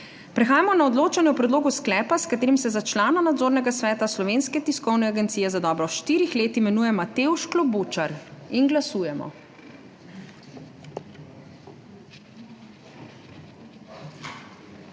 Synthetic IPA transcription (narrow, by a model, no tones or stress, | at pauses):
pɾɛxaːjamɔnaɔd̪loːt͡ʃanjɛwpɾɛd̪loːɡusklɛːpaskat̪eːɾimsɛzat͡ʃlaːnanad̪zoːɾnɛɡasʋɛːt̪aslɔʋeːnskɛt̪iskɔwnɛaɡɛnt̪sijɛzad̪ɔːbɾɔʃt̪iːɾixleːt̪imɛnuːjɛmat̪euʃklɔbut͡ʃaɾinɡlasuːjɛmɔ̰